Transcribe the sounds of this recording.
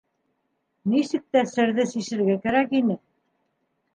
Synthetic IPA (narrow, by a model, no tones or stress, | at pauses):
nisɘ̆k̚t̪æsɘ̆ɾðɘsiʃɘ̆ɾɡækæɾækinɘ